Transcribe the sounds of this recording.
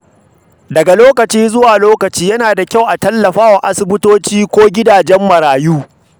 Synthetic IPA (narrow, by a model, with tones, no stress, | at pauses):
dɐ˨ɡa˨loː˦kɐ˨t͡ʃiː˦zʊ˦waː˨loː˦kɐ˨t͡ʃiː˦jɐ˦naː˨da˨kʲa˦˨wʔa˨tɐ˦lːɐ˨ɸaː˦wa˨ʔa˦sʊ˦bɪ˦toː˦t͡ʃiː˦kʷoː˦ɡʲɪ˦daː˨d͡ʒɛ˦mːɐ˨ɾaː˨juː˦